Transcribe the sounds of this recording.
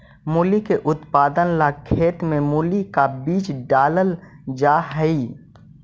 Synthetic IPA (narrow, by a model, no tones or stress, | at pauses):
muːlikeʔʊt̪paːd̪ənlakʰeːt̪mẽmuːlikabiːt͡ʃɖaːləl | d͡ʒaːɦɛi